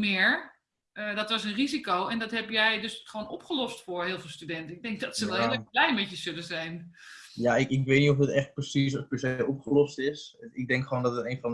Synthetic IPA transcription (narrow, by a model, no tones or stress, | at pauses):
mɪːɹ | dɔtʋɑsənrizikowɛndɔtɦɛpjɛjdøsχʋoːnɔpχəlɔstfʊːɹɦɪːlˠfɪːlˠstydɛntəɪɡ̚dɛŋk̚dɔtsəʋɛlˠɦɪəlˠɛblɛjmɛtjəzɵləzɛjn | jaɪkɪkʋeːtnitofdɪtɛχt̚prəsis̬opəsejɔpχəlɔstɪsɪɡ̚dɛŋkχʋoːndɔtəteːnfɔn